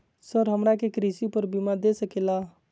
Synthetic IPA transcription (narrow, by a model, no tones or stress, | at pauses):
səɾɦəmɾakekɾisipəɾbimad̪esəkela